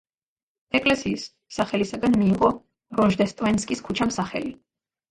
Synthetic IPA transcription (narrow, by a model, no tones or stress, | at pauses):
ɛkʼlɛsiːsː | aχɛlisaɡanmiːʁɔ | ɾɔʒd̪ɛst̪ʼvɛnskʼiskʰut͡ʃʰamsaχɛ̰li